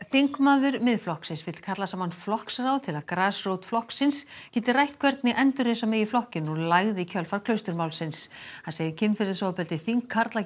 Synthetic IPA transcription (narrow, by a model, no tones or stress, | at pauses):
θiŋkmaːðʏɾmɪðflɔhksɪnsvɪt̪l̥kʰat̪lasaːmanflɔhksrawt̪ʰɪlaðkɾaːsroːwt̪flɔhksɪnscɛːt̪ɪrajht̪kʰvɛɾt̪nɪʔɛnt̪ʏɾ̥hɛsameːjɪflɔhcɪnɔlaːjɣðɪicʰœlfaɾ̥kʰlœɥwst̪ʏɾmawlsɪnshanseːjðɪcʰɪnmfɪɾðɪsowapɛlt̪ɪθiŋkʰːaɾt̪la